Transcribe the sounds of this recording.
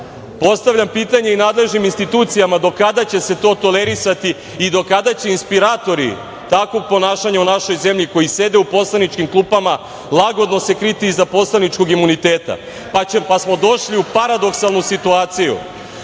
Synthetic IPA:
po̞st̪aʋʎampiːt̪aɲe̞inaːd̪le̞ʒniminst̪it̪uːt̪sijamad̪o̞kad̪at͡ɕe̞se̞t̪o̞ːt̪o̞leɾisat̪i | id̪o̞kad̪at͡ɕe̞inspiɾaːt̪o̞ɾḭ | t̪akʋo̞ɡ̚po̞naːʃaɲaunaʃo̞jze̞mʎiko̞jise̞d̪e̞upo̞slˠanit͡ʃkimklˠuːpama | lˠaɡo̞d̪no̞se̞kɾit̪iizapo̞slanit͡ʃko̞ɡimunit̪e̞ːt̪a̰ | papasmo̞d̪o̞ʃliupaɾad̪o̞ksalˠnusit̪uaːt̪sijṵ

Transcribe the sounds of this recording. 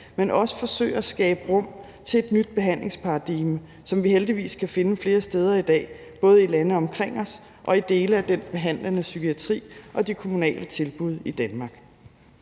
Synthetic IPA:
menʔɒ̽sə̥fɒ̽sø̰ɪɐsɡ̥ɛːb̥əʁɔ̽m̰ | t͡sʰe̝e̝d̥nyd̥̚b̥e̝ɦæn̰le̝ŋspʰɑ̈d̥iɡ̥mə | sɒ̽mʋiheld̥iʋḭːskʰæfe̝nəfle̝ːɐsd̥eːð̞ˠɐid̥ɛ̰ː | b̥ɔ̽ːð̞̩ˠilænəɒ̽mkʰʁeŋ̰ɒ̽s | ʔɒ̽id̥e̝ːləæd̥enb̥e̝ɦæn̰lənəsykʰiæt͡sʰʁḭːʔɒ̽d̥ekʰo̝munɛ̰ːlʔət͡sʰe̝lb̥uð̞̰ˠid̥ænmɑ̈ːɡ̥

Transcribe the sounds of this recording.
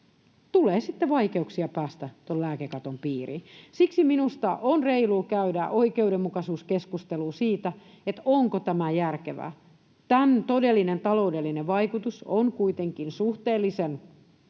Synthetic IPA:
t̪uleːsit̪ːeʋɑikeuksiɑpæːst̪æt̪ollæːkekɑt̪ompiːrḭːsiksiminust̪ɑʔonreiluːkæydæʔoikeudemːukɑsuːskeskust̪eluːsiːt̪æ | et̪oŋkot̪æmæjærkeʋæ̰ | t̪ænt̪odelːinent̪ɑloudelːineʋʋɑikut̪usonkuit̪eŋkinsuht̪eːlːisen

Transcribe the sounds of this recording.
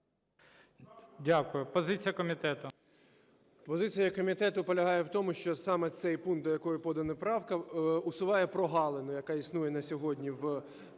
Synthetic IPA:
dʲakʊjʊpɔzɪt͡sʲijɐkɔmʲit̪ɛt̪ʊ | pɔzɪt͡sʲijɐkɔmʲit̪ɛt̪ʊpɔlʲɐɦɑjɛwt̪ɔmʊʃt͡ʃɔsɑmɛt̪sɛjpunk̪d̪ɔjɐkɔjʊpɔd̪ɐnɐpɾɑwkɐʊsʊʋɑjɛpɾɔɦɑlˠenʊjɐkɑisnujɛnɐsʲɔɦɔdʲnʲiw

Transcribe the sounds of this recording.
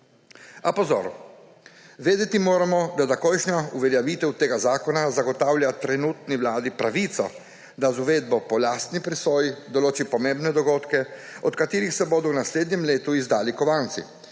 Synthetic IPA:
apɔzo̰ɾ | ʋeːd̪ɛt̪imoːɾamɔd̪at̪akɔjʃnʲauʋɛljaʋiːt̪ɛwt̪eːɡazaːkɔnazaɡɔt̪aːwljat̪ɾɛnuːt̪niwlaːd̪ipɾaʋiːt̪sɔ̰ | d̪azuʋeːd̪̚bɔpɔlaːst̪nipɾisojd̪ɔloːt͡ʃipɔmẽmbnɛd̪ɔɡoːt̪kɛɔt̪kat̪iːɾixsɛbod̪ɔwnasleːd̪ɲɛmleːt̪uizd̪aːlikɔʋaːnt̪sḭ

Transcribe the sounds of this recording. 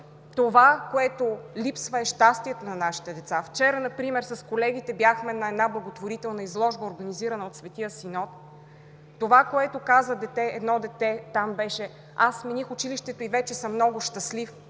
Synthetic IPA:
t̪ovakoɛt̪olipsvəɛʃt̪ast̪iɛt̪onɐnaʃi̥t̪ɛd̪ɛt̪saft͡ʃɛɾənɐpɾimɛɾsɐskolɛɡ̟it̪ɛbjaxmɛnɐɛd̪nablˠɐɡot̪voɾit̪ɛlˠnəizlˠɔʒbəoɾɡɐniziɾɐnəot̪svɛt̪iəsinɔt̪ː | ovakoɛt̪okazvəd̪ɛt̪ɛɛd̪nɔd̪ɛt̪ɛt̪ambɛʃɛ | asminixʊt͡ʃiliʃt̪ɛt̪oivɛt͡ʃɛsəmːnɔɡʊʃt̪əslif

